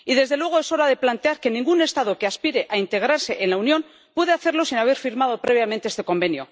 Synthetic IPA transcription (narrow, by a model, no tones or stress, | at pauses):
iðe̞zðe̞lwe̞ɣ̞oe̞so̞ɾaðe̞plant̪e̞aɾke̞nĩŋɡune̞st̪aðo̞keaspiɾe̞ʔaint̪e̞ɣ̞ɾaɾse̞ʔenlaunjo̞n | pwe̞ðe̞aθe̞ɾlo̞sinaβ̞e̞ɾfiɾmað̞o̞pɾe̞β̞jament̪eest̪e̞ko̞mbe̞njo̰